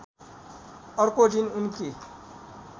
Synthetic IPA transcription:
ʌɾkodinunki

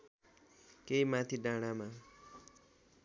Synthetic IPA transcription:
keimãt̪ʰiɖãɽ̃amã

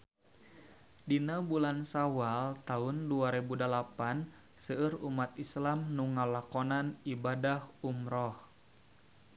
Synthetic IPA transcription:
dinabulansawalt̪aʊnduaɾɛbudalapan | səɨrumat̪islamnuŋalakɔnanibadahumɾɔh

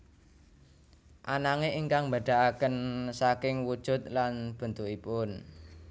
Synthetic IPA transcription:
ʔanaŋeʔiŋkaŋmba̤ɖ̪̥a̤akənsakɪŋwud̥ʒ̥ʊ̤t̪̚lanb̥ə̤nt̪ukipʊn

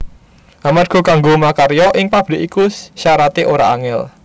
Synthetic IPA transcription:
ʔamat̪̚ɡ̥ṳkaŋɡomakaɾjɔʔɪŋpab̥ɾe̤ʔikusʃaɾat̪eʔoɾa̰aŋɪl

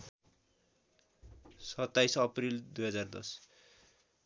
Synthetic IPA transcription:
sʌt̪ːajsʌprild̪ujɦʌd͡zard̪ʌ̰s

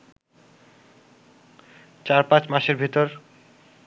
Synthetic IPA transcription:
t͡ɕaɾpãt͡ɕmaʃeɾbʱit̪oɾ

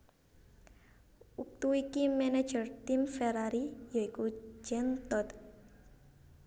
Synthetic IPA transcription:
uk̚t̪uikimɛne̥d͡ʒərt̪imfɛɾaɾijoikud͡ʒɛnt̪ɔt̪

